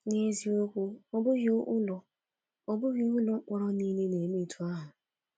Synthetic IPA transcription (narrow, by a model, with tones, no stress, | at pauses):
ne˦zi˦o˦kʷo˦ɔ˦bʊ˦ɣo˦ʔʊ˦lɔ˨ | ɔ˦bʊ˦ɣi˦ʊ˦lɔ˦k͡pʷɔ˦ɾɔ˦ni˦ne˦ne˨me˦tʰu˦a˦ɦʊ˨